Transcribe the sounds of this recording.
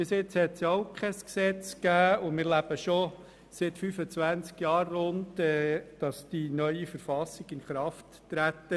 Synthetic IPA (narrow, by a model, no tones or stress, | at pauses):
b̥ɪsɪt͡shɛtsjoʊkʰɛsksɛt͡skæːʊmɪːɾlæb̥əʃo | sɪtfyfət͡sʋænt͡skjɑːɾːʊntɛːd̥ɑsd̥inœʏifəɾfɑsɪɡ̥ɪnχɾɑftː | ɾæt̪ːə